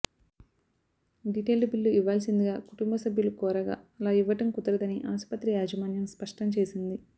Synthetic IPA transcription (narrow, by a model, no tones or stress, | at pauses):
ɖiʈeːlɖubilːuiʋːaːlsind̪iɡaːkuʈumbʱɐsɐbʱjulukɔːɾɐɡa̰ːɐlaːiʋːɐʈɐmkut̪ɐɾɐd̪ɐniʔaːspɐt̪ɾijaːd͡ʒɐmaːnjɐmspɐʂʈɐmt͡ʃeːsind̪i